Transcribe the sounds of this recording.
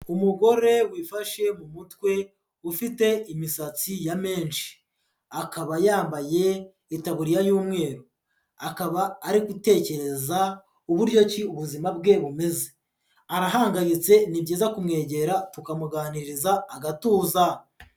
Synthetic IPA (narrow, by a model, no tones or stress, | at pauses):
umuɡo̞ɾe̞wiːfaʃe̞mumutwe̞ | ufite̞imisat͡sijame̞ːnʃi̥ | akaβajaːmbaje̞ | itaβuɾijajuːmŋe̞ːɾo | akaβaːɾikute̞ːce̞ɾe̞za | uβuɾɟo̞ciuβuzimabɡe̞βume̞ze̥ | aɾaɦaːŋɡajit͡se̞nibɟiːzakumŋe̞ːɟe̞ɾatukamuɡaːniɾizaːɡatuːza